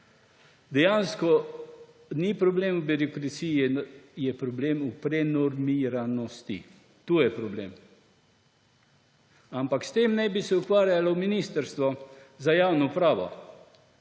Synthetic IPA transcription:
d̪ɛjanskɔ | nipɾɔbleːmubiɾɔkɾasijijɛpɾɔbleːmupɾɛnɔɾmiɾanɔst̪ḭ | t̪uːjɛpɾɔblḛːm | ampakst̪eːmnɛjbisɛukʋaːɾjalɔminist̪əɾst̪ʋɔzajawnɔpɾaːʋɔ̰

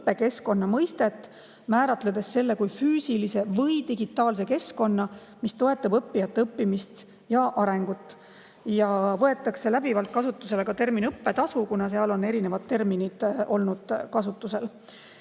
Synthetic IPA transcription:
pːe̞ke̞sko̞nːɑmɤjst̪e̞t̪ːˑ | mæːɾɑt̪led̪̥e̞sːe̞lːe̞kujfyːsilise̞vɤjt̪iɡit̪ːˑɑːls̬e̞ke̞sko̞nːɑmist̪o̞e̞t̪ːˑɑbɤpːijɑt̪ːeɤpːimist̪ | jɑʔɑɾe̞ŋɡ̥ut̪ːˑ | jɑvɤe̞t̪ːˑɑkse̞læbivɑlt̪̚kɑsut̪ːˑuse̞lekɑt̪e̞rminɤpːe̞t̪ɑsukunɑs̬e̞ɑlo̞ne̞ɾine̞vɑd̪̥̚t̪e̞rminid̪̥o̞lnud̪̥kɑsut̪ːˑuse̞l

